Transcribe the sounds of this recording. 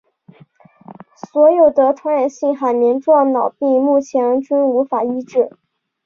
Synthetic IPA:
swɔ˧˥jo˨˩ʊd̪ə˦t̪ʰwa˥nɻa˨˩nɕi˥˩ŋxa˨˩ɪmjɛ˧˥nʈ͡ʂwɑ˥˩ŋnɑ˨˩ʊpi˥˧mu˥˩t͡ɕʰjɛ˧˥ə˧˥nt͡ɕi˥nu˧˥fa˨˩i˥ʈ͡ʂɻ̩˥˩

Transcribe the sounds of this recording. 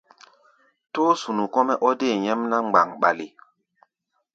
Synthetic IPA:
toː˦su˨nu˨kɔ˦mɛ˦ʔɔ˦de˦˨ɲɛ˦mna˦ŋ͡mɡ͡ba˨ŋɓa˨li˨

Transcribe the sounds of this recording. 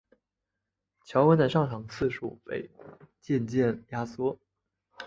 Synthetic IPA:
t͡ɕʰjɑ˧˥ʊwə˥nd̪ə˨˩ʂɑ˥˩ŋʈ͡ʂʰɑ˨˩ŋt͡sʰɹ̩˥˩ʂṵ˨˩pe˥˩ɪt͡ɕjɛ˥˧nt͡ɕjɛ˥˩nja˥swɔ˥

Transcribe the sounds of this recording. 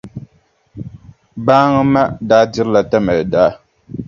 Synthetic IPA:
baː˦ŋɨ˦ma˦daː˦dɪ˦ɾɨ˦la˨ta˦ma˨lɨ˨da˦

